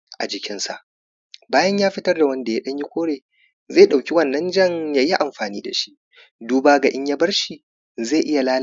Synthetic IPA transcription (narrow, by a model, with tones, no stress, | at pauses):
ʔa̰˨d͡ʒɪ˨kʲɪ˦nsa˦˨ʔ | baː˦jɐ˦ɲjaː˦ɸɪ˦tɐ˦rda˨wɐ˦nda˨ja˦ɗɐ˦ɲji˦kʷoː˦ɽeː˨ | ze˦˨ɗa˨wkʲi˦wɐ˦˨nːɐ˦nd͡ʒɐ˦ŋjaː˦ji˦ʔa˨mɸaː˨niː˦da˨ʃi̥˦ʔ | duː˦baː˦ɡa˨ʔɪ˦ɲja˦bɐ˦rʃi˨ | ze˦˨ʔɪ˦ja˨laː˦l